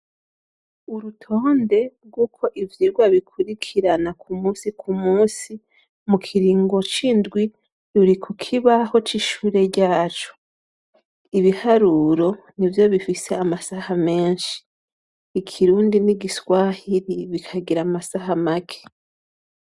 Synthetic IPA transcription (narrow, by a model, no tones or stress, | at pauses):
uɾutʰo̞ːnde̞ɾɡuːkʰo̞ʔivjiːɾɡwaβikʰuɾikʰiɾanakʰumuːsikʰumuːsi | mukʰiɾiːŋɡo̞t͡ʃindɡwi | ɾuɾikʰukʰiβaho̞t͡ʃiʃuːɾe̞ɟaːt͡ʃo̥ | iβihaɾuɾo̞ | nivjo̞βifise̞amasahame̞ːnʃi̥ː | kʰiɾuːndiniɡiswaːhiɾiβikʰaɡiɾamasaɦamakʰe̥